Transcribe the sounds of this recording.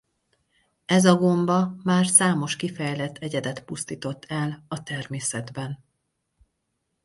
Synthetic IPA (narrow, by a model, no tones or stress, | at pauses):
ɛzɒɡo̞mbɒmaːrsaːmo̞ʃkifɛjlɛt̪ʰːɛɟɛd̪ɛt̪pust̪iːt̪o̞t̪ːɛlɒt̪ɛrmeːsɛd̪bɛn